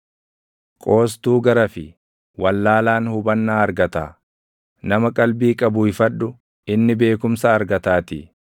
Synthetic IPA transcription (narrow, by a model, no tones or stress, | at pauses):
kʼo̞ːs̬t̪uːɡɐɾɐfɪ | wɐlːaːlaːnhʊbɐnːaːɐɾɡɐt̪a̰ː | nɐmɐkʼɐlbiːkʼɐbʊɪfɐᶑʊ | ɪnːɪbe̞ːkʊmsɐːɾɡɐt̪aːt̪ɪ